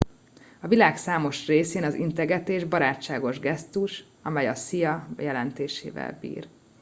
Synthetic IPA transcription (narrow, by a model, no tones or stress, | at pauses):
ɒvilaːksaːmo̞ʃreːseːnɒzḭnt̪ɛɡɛt̪eːʒbɒɾaːt͡ʃːaːɡo̞ʒɡɛst̪uʃ | ɒmɛjɒsijɒjɛlɛnt̪eːʃḛːvɛ̰lbḭːr